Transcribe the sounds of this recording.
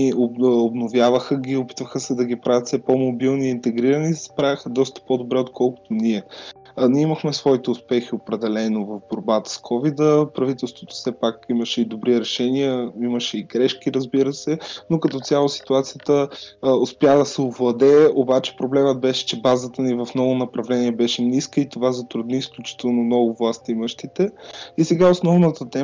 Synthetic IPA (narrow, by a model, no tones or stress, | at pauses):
ioobnovjavəxəɡʲiopit̪vəxəsɛd̪ɐɡʲipɾavʲət̪sɛpomobilˠniːnt̪ɛɡɾiɾənisspɾavixəd̪ɔst̪ə̥pod̪obɾɛot̪kʰɔlˠkʊ̥t̪oniɛ | niiməxmɛsvɔit̪ɛʊspɛxiopɾɛd̪ɛlɛnovɐvboɾbat̪ə̥skʰɔvid̪əpɾɐvit̪ɛlˠst̪vot̪o̥sɛpakiməʃɛid̪obɾiɾɛʃɛniəiməʃɛiɡɾɛʃkiɾəzbiɾəsɛnokɐt̪ɔt̪sʲalˠosi̥t̪uat̪sijət̪əʊspjad̪ɐsɛovlˠɐd̪ɛobat͡ʃɛ̥pɾoblɛməd̪̚bɛʃɛ̥t͡ʃɛbazət̪ənivɐfnɔvonɐpɾɐvlɛniɛbɛʃɛniskəit̪ovazɐt̪ɾud̪niːsklʲut͡ʃi̥t̪ɛlˠnomnɔɡʊvlˠast̪iməʃt̪it̪ɛisɛɡaosnɔvnət̪ət̪ɛ